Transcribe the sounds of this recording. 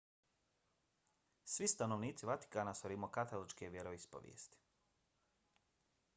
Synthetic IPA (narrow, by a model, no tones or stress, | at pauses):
sʋist̪anoʋniːt̪siʋat̪i̥kaːnasoɾimokat̪alˠot͡ʃkeʋje̞ɾo̞ispo̰ʋjḛːst̪i̥